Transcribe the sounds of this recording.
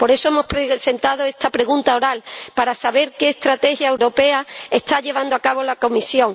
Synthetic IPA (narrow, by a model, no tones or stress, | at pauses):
po̞ɾe̞so̞e̞mo̞spɾese̞nt̪að̞oe̞st̪apɾe̞ɣũnt̪ao̞ɾalpaɾasaβe̞ɾke̞ːst̪ɾat̪e̞xjaewɾo̞pe̞aest̪aʎe̞β̞and̪oakaβ̞olako̞misjõ̞ŋ